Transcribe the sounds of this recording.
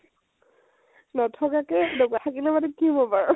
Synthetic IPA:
nɔtʰɔkakɛdoɡatʰakilɛmatukibɔpaɹɔ

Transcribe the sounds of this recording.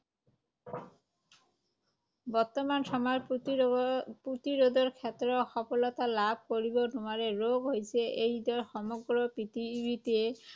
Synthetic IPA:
bɔɾt̪omanʃɔma | put̪iɾod̪oɾkʰet̪ɾoxɔfolɔt̪alab̚ʱkoɾibonumaɾeɾoɡɦojet͡ɕʰeʔejd̪ɔɾʃɔmoɡɾopit̪ibit̪iee

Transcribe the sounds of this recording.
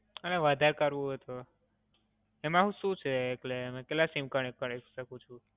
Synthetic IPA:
əleʋəd̪ʱaɾkəɾʋũɦot̪o | emaɦũʃũt͡ʃʰeːklemẽkellasimkəɳekəɾekʃəkũt͡ʃʰũ

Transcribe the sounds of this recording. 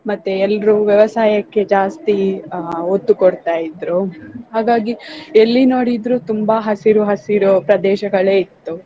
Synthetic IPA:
mɐt̪ːeɛlːɾuʋjɐʋɐsaːjɐkːe̞d͡ʒaːst̪i | ot̪ːukoɽt̪aːjid̪ɾuɦaːɡaːɡielːinoːɽid̪ɾuːt̪umbɐɦɐsiɾuɦɐsiɾupɾɐd̪ɛːʃɐɡɐɭe̞ːit̪ːu

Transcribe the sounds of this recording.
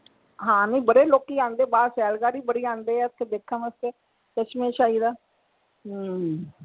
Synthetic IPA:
ɦãːnĩːbəɽeːloːkːiːãːnd̪eːbaːsɛːlɡaːɾiːbəɽiːãːnd̪eːɛːət̪ʰːeːd̪eːkʰːãːməst̪eː | t͡ʃət͡ʃmẽːʃaːiːd̪aː

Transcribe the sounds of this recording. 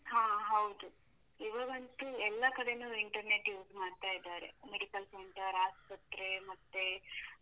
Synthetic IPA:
ɦãːɦɐwd̪u | iʋɐɡɐnt̪uɛlːɐkɐɽe̞nuːiɳʈɐɾneːʈiʋsmaːɖt̪aːjid̪aːɾḛmeɽikɐlseɳʈɐɾaːspɐt̪ɾe̞mɐt̪ːe

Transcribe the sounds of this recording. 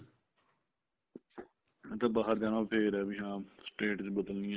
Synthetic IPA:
t̪aːbaːɦəɾd͡ʒaːnãːpʰeːɾɛbiɦãːsʈeːʈd̪iːbəd̪əlniːɛ̃

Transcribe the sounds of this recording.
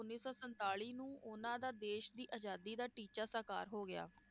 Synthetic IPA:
ʊnːiːsɔːsənt̪aːɭiːnũːʊnãːd̪aːd̪eːʃd̪iːʔəd͡ʒaːd̪iːd̪aːʈiːt͡ʃaːsəka̰ːɾɦoːɡɪja̰ː

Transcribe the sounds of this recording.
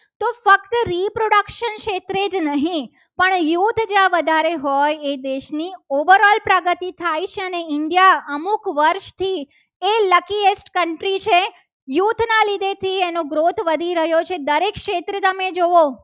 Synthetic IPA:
t̪ofəkt̪ɾipɾoɽəkʃənʃet̪ɾed͡ʒnəɦĩ | pəɳjut̪ʰd͡ʒjãʋəd̪ʱaɾeɦɔjed̪eʃnioʋəɾɔlpɾəɡət̪it̪ʰajt͡ʃʰeəneɪɳɖijaəmukʋəɾʃt̪ʰi | eləkiesʈkəɳʈɾit͡ʃʰe | jut̪ʰnalid̪ʱet̪ʰienoɡɾot̪ʰʋəd̪ʱiɾəɦjot͡ʃʰed̪əɾekʃet̪ɾət̪əmed͡ʒoʋo

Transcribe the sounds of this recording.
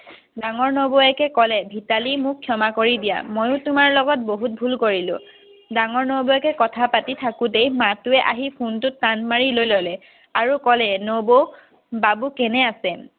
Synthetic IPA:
daŋɔɹnoboɛkɛkɔlɛbʱitalimʊkʰːjɔmakoɹidija̰mojʊ̃tʊmaɹlɔɡɔt̚boɦut̚bʱulkoɹilʊ̰̃ | daŋɔɹnoboɛkɛkɔtʰapatitʰakʊtejmatʊɛʔa̰ɦipʰuntʊtːanmaɹilojlɔlɛ | aɹukɔlɛnobo | babukɛnɛasɛ

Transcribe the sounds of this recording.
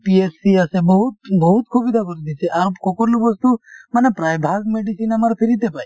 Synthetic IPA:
piesiasebɔɦut̪bɔɦut̪̚kʰubid̪ʱakɔɾid̪isʰeʔaɾkɔkɔɾlobɔst̪umanepɾajbʱaɡmeɖisinamaɾɔpʰeɾit̪epaj

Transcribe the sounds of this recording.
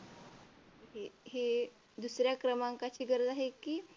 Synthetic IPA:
ɦeɦe | d̪usɾjakɾəmãŋkat͡ʃiɡəɾd̪aɦeki

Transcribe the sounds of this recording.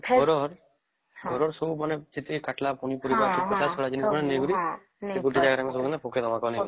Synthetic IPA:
ɔɾɔɾ | ɡʱɔɾɔɾsɔbumaned͡ʒet̪ʰikaʈlapuñipɔɾibakipɔt͡ʃasɔɽad͡ʒiniskɔɽeneɡuɾi | seɡuʈid͡ʒaɡaɾamesɔbukɔnapokʰed̪ɔmakɔni

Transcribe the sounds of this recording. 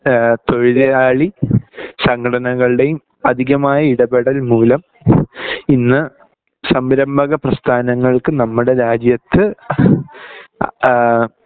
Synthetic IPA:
t̪o̞ɻiðɐaːɭi | sɐŋkʰɐɽɐnɐɣɐɭɨɽe̞jum | ɐd̪ʱiɣɐmaːjɐiɽɐbeɽɐlmuːlɐm | inːɨ | sɐmbɐɾɐmbʱɐɣɐprɐst̪ʰaːnɐŋːɐɭkɨnɐmːuɽe̞ɾaːd͡ʑjɐt̪ːɨ

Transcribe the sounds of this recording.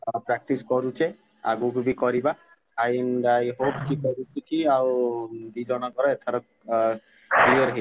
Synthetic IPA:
pɾak̚ʈiskɔɾut͡ʃe | a̰ɡubʱibikɔɾiba | ajndajɦop̚kikɔɾut͡ʃekiawdid͡ʒɔnakɔɾɔɛt̪ʰaɾɔk̚ | kliəɾɦe

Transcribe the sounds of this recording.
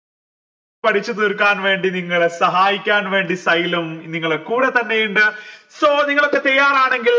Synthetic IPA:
pɐʈʰit͡ɕːɨt̪iɾkːaːnʋe̞ːɳɖiniŋːɐɭesɐɦaːjikʲːaːnʋe̞ːɳɖisɐjlumniŋːɐɭekuːɽet̪ɐnːejuɳɖɨsoːniŋːɐɭo̞kːe̞t̪ɐjːaːɾaːɳe̞ŋɡil

